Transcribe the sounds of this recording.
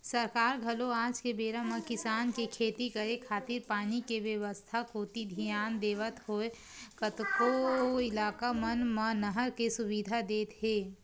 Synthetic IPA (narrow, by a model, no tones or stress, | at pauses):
səɾkaːɾɡʱɐloaːd͡ʒkebeːɾamə̃kɪsaːnkekʰeːt̪ikəɾekʰaːt̪ɪɾpaːnikeʋjəʋəst̪ʰakoːt̪id̪ʱijaːnd̪eːʋət̪ɦoːe | kət̪koɪlaːkamənmənəɦəɾkesʊbid̪ʱad̪eːt̪ɦeː